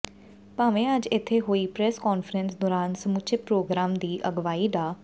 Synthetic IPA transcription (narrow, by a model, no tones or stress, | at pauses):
paːʋẽːəd͡ʒɪt̪ʰːeːɦoːiːpɾɛːskɔːnfʰəɾənsd̪ɔːɾaːnsəmʊt͡ʃepɾoːɡɾaːmd̪iːʔəɡʋaːiːɖ̪aː